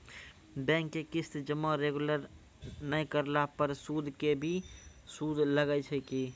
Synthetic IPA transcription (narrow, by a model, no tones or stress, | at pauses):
bɛ̃ːŋkːekɪst̪d͡ʒəmãɾeːɡuləɾ | nəĩkəɾlapəɾsuːd̪ʱkebʱi | suːd̪ʱləɡət͡ʃʰəki